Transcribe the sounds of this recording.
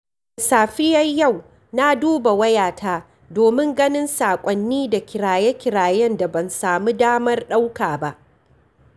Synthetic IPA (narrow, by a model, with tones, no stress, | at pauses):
saː˨ɸɪ˦jɐ˦jja˦˨w | na˦duː˦ba˨wɐ˦jaː˨taː˦ | doː˨mɪ˦ŋɡɐ˦nɪ˦nsaː˨kʷʼɔ˦nːiː˦da˨kʲɪ˨ɾaː˨jɛ˦kʲɪ˨ɽaː˨jɛ˦nda˨bɐ˨nsaː˨mu˦daː˦mɐ˦rɗa˦wkaː˨ba˦ʔ